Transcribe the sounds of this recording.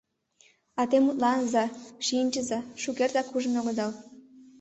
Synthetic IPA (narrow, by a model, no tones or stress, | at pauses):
ɑt̪emut̪lɑnzɑʃiənʲt͡ɕəzɑʃukert̪ɑkuʒə̆noɣod̪ɑl